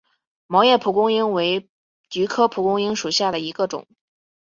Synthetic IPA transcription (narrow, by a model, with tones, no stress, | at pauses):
mɑ˧˥jɛ˥˩pʰu˧˥kʊ˥ŋi˥ŋwe˧˥ɪ | t͡ɕy˧˥kʰɤ˥pʰu˧˥kʊ˥ŋi˥ŋʂu˨˩ɕja˥˩d̪ə˩i˧˥ɡə˧ʈ͡ʂʊ̰˨˩˦ŋ